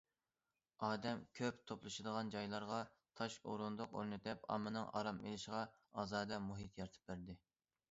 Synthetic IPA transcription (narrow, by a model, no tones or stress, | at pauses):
ɑːd̪ɛmkʲʰøpt̪ʰoplˠɨʃɨd̪əʁɑnd͡ʒɑjlˠɑɾʁɑ | t̪ʰɑʃo̰ɾund̪ʊqo̰ɾnɨd̪ɛpɑ̰mːɨnɨŋɑ̰ɾɑmḛlɪʃɪʁɑ | ɑːzɑːd̪ɛmuɦit̪ʰjɑɾt̪ʰɨ̥p̚bæɾd̪ɪ